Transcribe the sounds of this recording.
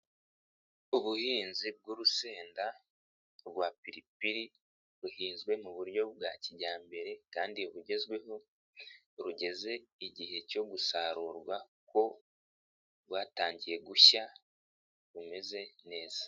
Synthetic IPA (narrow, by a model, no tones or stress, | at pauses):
uβuhiːnzib̚ɡuɾuse̞ːnda | ɡwapiɾipiɾi | ɾuhiːnzɡwe̞muβuɾjo̞bɡaciɟaːmbe̞ɾe̞kaːndiuβuɟe̞zɡwe̞ɦo̞ | ɾuɟe̞ze̞iɟihe̞co̞ɡusaɾuːɾɡwa | ko̞ | βwaːtaːɲɟije̞ɡuça | βume̞ze̞ne̞ːz̥a